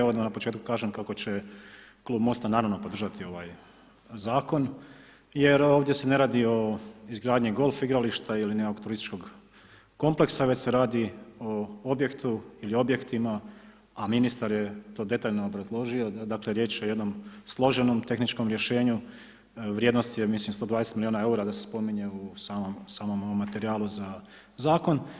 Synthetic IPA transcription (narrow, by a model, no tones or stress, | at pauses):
aʋod̪anapot͡ʃeːt̪ku̥kaːʒemkako̞t͡ɕe̞ | klˠuːbmo̞st̪anaːɾaʋnopo̞d̪ɾr̩ʒat̪io̞ʋaːj | zaːko̞n | je̞ɾo̞ːʋd̪je̞se̞ne̞ɾaːd̪io̞izɡɾaːd̪ɲiɡo̞ːlˠfiɡɾaliʃt̪ailineoɡt̪uɾist̪i̥t͡ʃko̞ɡ | ko̞mple̞ksaʋe̞t͡ɕse̞ɾaːd̪io̞obje̞kt̪uilio̞bje̞kt̪ima | aminist̪aɾje̞t̪o̞ːd̪e̞t̪aːʎnoobɾazlˠo̞ʒio̞d̪akleɾjeːt͡ʃoje̞d̪no̞mslˠo̞ʒe̞no̞mt̪e̞xnit͡ʃko̞mɾje̞ʃe̞ːɲu | ʋɾjed̪no̞st̪je̞mislimst̪od̪ʋaːd̪eset̪milionae̞uɾad̪asespo̞miɲe̞usaːmomsaːmomomːat̪eɾiaːluza | zaːko̞n